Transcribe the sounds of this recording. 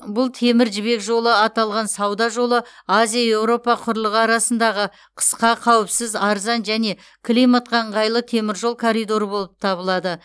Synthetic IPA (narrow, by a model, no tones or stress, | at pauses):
bʊlˠt̪ʰe̞mɪɾʒɪβe̞kʒo̞lˠəɑt̪ɑlˠʁɑnsɑwd̪ɑʒo̞lˠəazijaje̞wɾo̞pɑqʰʊɾlˠəʁɑɾɑsənd̪ɑʁə | qʰə̥sqɑqʰɑwɪpsɪzɑɾzɑnʒæne̞ | kʰlʲijmɑt̪̚qʰɑɴʁɑjlˠət̪ʰe̞mɪɾʒo̞lˠkʰoɾijd̪o̞ɾəbo̞lˠəp̚t̪ʰɑβəlˠɑd̪ə